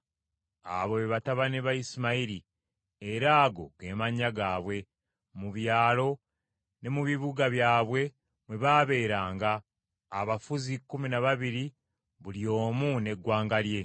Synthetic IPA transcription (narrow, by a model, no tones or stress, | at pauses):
a̰βo̞βeβataβaneβaisimaiɾi | eɾaːɡo̞ɡe̞maɲːaɡaːβwe̞ | muβjaːlo̞ | ne̞muβiβuɡaβjaːβwe̞ | mwe̞βaβe̞ːɾaːŋɡaː | βafuzikːuminaβaβiɾi | βulio̞ːmune̞ɡːwaːŋɡalje̞